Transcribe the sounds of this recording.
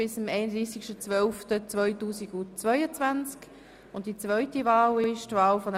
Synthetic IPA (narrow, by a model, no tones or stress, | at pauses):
ɪsəmɛɪnəd̪ʁiːsikʃtət͡svœlftət͡svœʏtuːsiɡut͡svœʏət͡svant͡sk | ʊntd̥it͡svœʏtivaːlɪɪʃtvaːlfɔnə